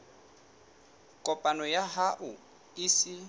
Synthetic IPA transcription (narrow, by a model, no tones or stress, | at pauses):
kʼɔpʼanɔjaɦaʔʊ | isɪ